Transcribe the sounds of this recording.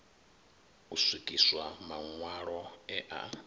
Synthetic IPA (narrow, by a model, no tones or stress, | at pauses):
uswikʼiswamaŋwaɺɔɛʔa̰